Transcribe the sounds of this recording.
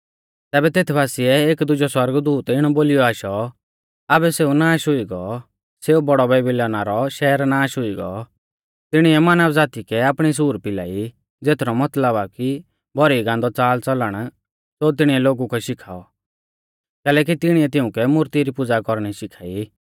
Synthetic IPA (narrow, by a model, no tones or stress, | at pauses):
t̪ɛːbɛt̪eːt̪ʰbaːsiɛeːkd̪ʊd͡ʒɔswɐɾɡd̪uːt̪ɪɽ̃ɔboːlɪjɔaːʃɔ | abɛseːunaːʃɦʊiɡɔ | seubɔɽɔbɛːbɪlɔːnaɾɔʃɛːɾnaːʃɦʊiɡɔ̰ | t̪ɪɽ̃iɛmanəbd͡zaːt̪ikɛaːpɽ̃is̬uːɾpɪla̰ːi | d͡zeːt̪ʰɾɔmɐt̪ləbaki | bʱɔɾiɡãnd̪ɔt͡saːlt͡sɐləɽ̃ | sot̪ɪɽ̃iɛloːɡukɛʃɪkʰaːɔ | kɛːlɛːk̬it̪ɪɽ̃iɛt̪ɪʊ̃kɛmʊɾt̪iɾipʊd͡zakɔɾɽ̃iʃɪkʰaːi